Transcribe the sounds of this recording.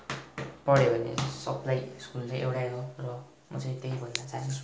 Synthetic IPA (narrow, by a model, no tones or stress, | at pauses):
pʌɽjebʱʌnḛsʌ̰pʰlajskult͡sʌ̃j̃ʔḛwɽaɾorʌ | mʌ̰t͡sʌ̃j̃t̪eibʱʌnnʌt͡saʌnt͡sʰu̥